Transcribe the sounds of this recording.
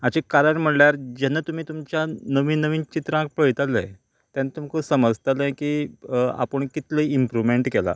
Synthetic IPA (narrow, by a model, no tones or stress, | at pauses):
at͡ɕekaɾəɳm̤əɽljaɾd͡ʑɛnːat̪um̤iːt̪umt͡ɕjanəʋiːnəʋiːnt͡ɕit̪ɾãk̚pəɭt̪alə̰j | t̪janat̪umkəsəməd͡zt̪alə̃kiːa̰pəɳkit̪leiimpɾuʋmeɳʈkela̰